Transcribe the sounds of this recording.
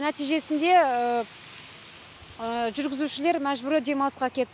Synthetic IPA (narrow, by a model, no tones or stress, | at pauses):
næt̪ijʒe̞sɪnd̪e̞ə | ʒʏɾɡʲɪzuʃɪle̞ɾmæʒbʏɾɪd̪e̞mɑsqɑkʲʰe̞t̪ː